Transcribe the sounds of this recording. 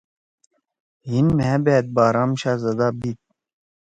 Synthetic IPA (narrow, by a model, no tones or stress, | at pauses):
ɦinmeabeːt̪̚baːɾaːmɕaːzɐd̪aːbit̪̚